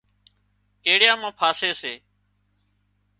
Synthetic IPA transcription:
keːɽɪjãːmãːpʰaːseːseː

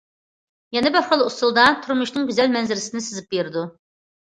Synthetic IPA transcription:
jɛnɛbɪɾχəlˠust̪ɨlˠd̪ɑt̪ʰuɾmuʃnɨŋɡʲyzɛlmɛnzɪɾɪsɪnɪsɨzɪp̚beɾɪd̪u

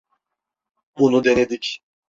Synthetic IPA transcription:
bunud̪ened̪ic

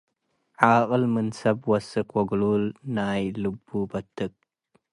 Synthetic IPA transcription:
ʕaʔəlmɨnsɐbwɐsɨkwɐɡlulnaːjlubːubɐtɨk̚

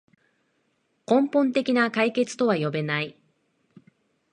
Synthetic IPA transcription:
kõ̞mpõ̞nt̪e̞kʲinakaike̞t͡sɨ̥t̪o̞βajo̞be̞nai

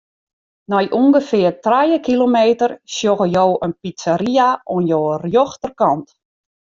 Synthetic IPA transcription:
nɔjʔuŋɡəfɪːrtrajəkilomeːtərsjoɣəjoːənpisaɾiaonjoːərjoxtərkɑnt

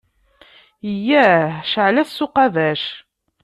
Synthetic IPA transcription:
ijːæʃəʕlæsːʊqɑðæʃ

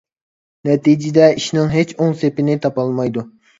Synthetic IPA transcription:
nɛt̪id͡ʒid̪ɛiʃnɪŋɦet͡ʃoŋsepɪnɪt̪ʰɑpɑlˠmɑjd̪u

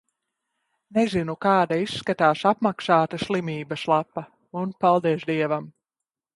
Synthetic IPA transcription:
nezinukaːd̪aisːkat̪aːsapmaksaːt̪asʲlˠimʲiːbɐslˠapːɐ | unpalˠd̪ɛɛʃd̪iɛvam

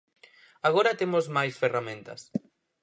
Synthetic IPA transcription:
aɣoɾɐt̪emozmajsferamẽnt̪ɐ̰s

